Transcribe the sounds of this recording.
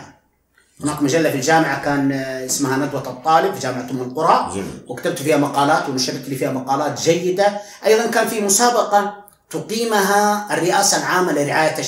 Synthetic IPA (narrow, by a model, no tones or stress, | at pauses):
hʊnaːkmaʒalːafild͡ʒaːmɪʕakaːnɪsmahanad̪wat̪ɑt̪ˤːɑːlɪbfiʒaːmɪʕat̪ʊmːɪlqʊɾˤɑwɪkat̪ab̚t̪fiːhamɑqɑːlaːt̪wɪnʊʃabt̪liːfiːhamɑqɑːlaːt̪ʒajːɪd̪aʔɑjðˤɑnkaːnfimʊsaːbɑqɑ | t̪ʊqiːmɦaɪrːɪʔaːsalʕaːmːalɪrɪʕaːjat̪ːa